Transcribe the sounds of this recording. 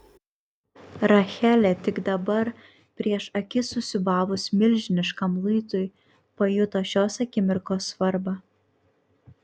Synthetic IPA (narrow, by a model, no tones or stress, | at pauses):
ɾɐxʲæːlʲɛt̪ʲɪɡd̪ɐbɐɾ | pʲɾʲiɛʃɐkʲɪsʊsʲɪbɑːʋʊsmʲɪlʲʒʲɪnʲɪʃkɐmlˠʊɪt̪ʊj | pɐjʊt̪oːʃʲoːsɐkʲɪmʲɪɾkoːsʋɐɾbɑː